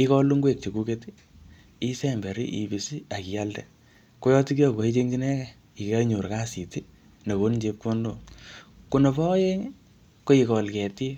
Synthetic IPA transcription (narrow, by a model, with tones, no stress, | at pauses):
i˦kɔ˦lu˦ŋɡwe˦˨k̚t͡ʃe˨ku˦ke˦ti˦ | i˦sɛ˦mbe˨ɾḭ˦ʔi˨bi˨si˦a˨ki˨ja˦ldɛ̰˨ | ko˦jɔ˦ti˦kjɔ˦ko˨i˦t͡ʃe˦ŋɡi˦nɛ˦kɛ | i˨kɛ˦ɲo˨ɾka˦si˨ti˦ | na˨ko˦nd͡ʒe˦p̚ko˦ndo˦˨ku˦no˨pɔ˦je˦ŋ | ko˦i˨kɔ˨lkɛ˨ti˦